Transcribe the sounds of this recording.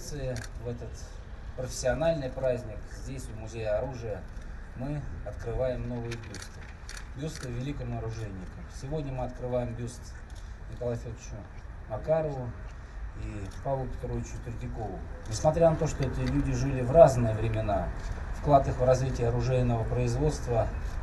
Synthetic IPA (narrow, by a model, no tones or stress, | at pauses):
sɨɪvɛt̪ət̪ | pɾəfʲɪ̥sʲːɪɐnalʲnɨjpɾazʲnʲɪkzʲdʲesʲʊmʊzʲejəɐɾuʐɨjəmɨɐt̪kɾɨvajɪmnovɨjəbʲust̪ɨ | bʲust̪ɨvʲɪlʲikɪmnəɾʊʐɛnʲːɪkəmsʲɪvo̞dʲnʲəmɨɐt̪kɾɨvajɪmbʲust̪ | nʲɪkɐlˠajfʲod̪t͡ɕʊ | mɐkaɾəvʊ | ipavlˠʊpʲɪ̥t̪ɾovʲɪt͡ɕʊtʲɪrʲd̪ʲɪkovʊnʲɪsmɐt̪ɾʲanɐt̪o̞ʂt̪oɛt̪əlʲudʲɪʐɨlʲɪvraznɨjəvɾʲɪmʲɪnafklˠat̪ɨxvrɐzvʲitʲɪjəɐɾʊʐɛjɪnəvəpɾəɪzvo̞t̪st̪və